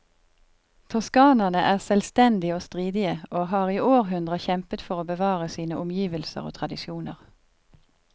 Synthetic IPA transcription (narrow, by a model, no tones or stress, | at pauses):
t̪ʰɔskɑːnɑnəʔæːʁsɛlst̪ɛnd̪ɪoːst̪ʁiːd̪ɪəʔoːhɑːʁiːoːʁɦʉnd̪ʁəçɛmpət̪fɔʁoːbəʋɑːʁəsiːnəʔʊmjiːʋəlsə̰ʁo̰ːt̪ʰʁɑd̪ɪʃjuːnə̰ʁ